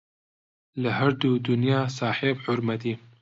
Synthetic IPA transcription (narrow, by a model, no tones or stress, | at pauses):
ləhɐɾd̪uːd̪unjɑːsaːħeːbħʊɾmɐt̪iː